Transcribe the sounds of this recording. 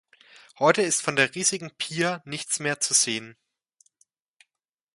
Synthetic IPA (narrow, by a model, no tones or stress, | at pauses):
hɔʏtəɪstfɔndeːɐʁiːzɪɡŋ̩pʰiːɐnɪçt͡smeːɐt͡suz̥eːən